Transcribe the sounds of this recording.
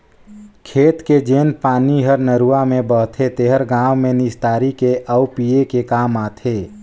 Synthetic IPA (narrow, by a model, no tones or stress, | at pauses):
kʰeːt̪ked͡ʒeːnpaːniɦəɾnəɾuːamẽbəɦt̪ʰet̪eːɦəɾɡãːwmẽnɪst̪aːɾikeʔəʊpijekekaːmaːt̪ʰeː